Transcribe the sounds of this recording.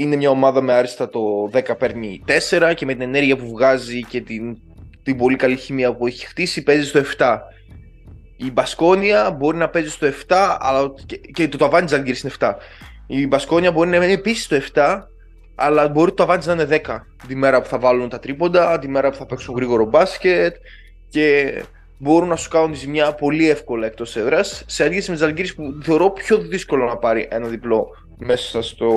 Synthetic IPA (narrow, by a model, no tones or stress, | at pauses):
ine̞mɲɐo̞mɐðɐme̞ɐɾist̪ɐt̪o̞ðe̞kɐpe̞ɾnit̪e̞se̞ɾɐcemet̪ine̞ne̞ɾʝiɐpuvɣɐzice̞t̪in | t̪ibo̞likɐliçimiɐpue̞çi̥xt̪isipe̞zist̪o̞e̞ft̪ɐ | ibɐsko̞niɐbo̞ɾinɐpe̞zist̪oe̞ft̪ɐɐ̰lɐecet̪ot̪oɐvɐnd̪iznɐniɡiɾisineft̪ɐ | ibɐsko̞niɐbo̞ɾinɐmenipisi̥st̪oe̞ft̪ɐ | ɐlɐbo̞ɾit̪oɐvɐnt̪iznɐineðekɐ | t̪ime̞ɾɐpu̥θɐvɐlunt̪ɐt̪ɾipo̞nd̪ɐt̪ime̞ɾɐpuθɐpe̞ksuŋɣɾiɣo̞ɾo̞bɐsce̞t̪ | ce̞ | bo̞ɾunɐsu̥kɐnunt̪izmɲɐpo̞liefko̞lɐekt̪o̞seðɾɐsːeɐd̪ɟesimet̪izɐlɟiɾispuθe̞o̞ɾo̞pço̞ðisko̞lonɐpɐɾiʔe̞nɐðiplo̞ | me̞sɐ̥sɐst̪o̞